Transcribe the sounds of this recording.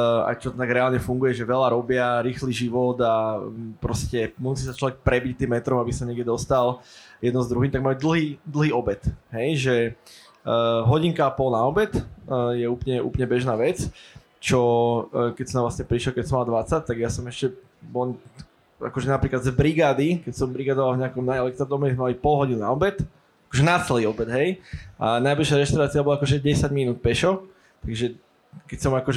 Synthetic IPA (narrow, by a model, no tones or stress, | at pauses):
a̰jt͡ʃɔt̪aɡɾɛaːlɲɛfuŋɡujɛʒɛʋɛlaɾɔbɪaɾiːxliːʒiʋɔd̪apɾɔscɛmusiːsat͡ʃlɔʋɛk̚pɾɛbict̪iːmːɛt̪ɾɔmabisaɲɛɡɛd̪ɔst̪aljɛd̪nɔzd̪ɾuɦiːmt̪aɡ̚maud̪l̩ɦiːd̪l̩ɦiːɔbɛt̪ɦɛjʒɛ | ɦɔɟiŋkapɔlnaɔbɛt̪ːjɛuːpɲɛʔṵplɲɛbɛʒnaːʋɛt͡s | t͡ʃɔkɛcsɔnaʋlasɲɛpɾiʃlɔkɛcsɔmald̪ʋat͡sac̚t̪aɡjasɔmɛʃcɛ | bɔl | a̰kɔʒɛnapɾiːklad̪zbɾiɡaːd̪ikɛcsɔmbɾiɡaːd̪ɔʋalvɲɛakɔmnajɛlɛk̚t̪ɾad̪ɔmɛizmɛmalipɔlɦɔɟiːnnaɔbɛt̪ | akɔʒɛnat͡sɛliːɔbɛd̪ɦɛjʔanajbliʃɪaɾɛʃt̪aʊɾaːt͡siabɔlaakɔʒɛɟɛsaɟminuːt̪̚pɛʃɔ | t̪aɡʒɛ | kɛcsɔmakɔʒ